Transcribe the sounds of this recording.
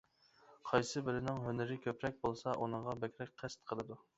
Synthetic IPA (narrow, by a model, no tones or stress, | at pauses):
qʰɑjsɨbɪɾɪnɪŋɦønɪɾɪkʲʰøpɾɛk̚ʲbolˠsɑʔunɨŋʁɑbɛkʲɾɛk̚ʲqʰæst̪qʰəlˠɨd̪u